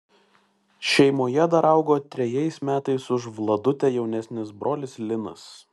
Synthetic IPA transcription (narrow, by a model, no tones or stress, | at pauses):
ʃʲɛɪmoːjɛd̪ɐɾɐˑʊɡoːt̪ʲɾʲɛjɛɪsmʲæːt̪ɐɪsʊʒʋlˠɐd̪ʊt̪ʲɛjɛʊnʲɛsʲnʲɪsbɾʔoːlʲɪslʲɪnɐ̰s